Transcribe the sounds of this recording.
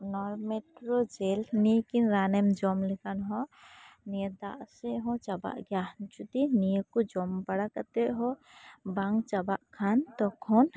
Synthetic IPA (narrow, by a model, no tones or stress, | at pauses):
nɔɾmeʈɾɔd͡ʒelnikinɾanɛmd͡ʒɔmlɛkanɦɔ̃nied̪a̰ʔsɛɦɔ̃t͡ʃaba̰ʔɡjahnt͡ʃut̪inijekud͡ʒɔmbaɽakat̪ɛɦɔbaŋt͡ʃabaʔkʰant̪ɔkʰɔn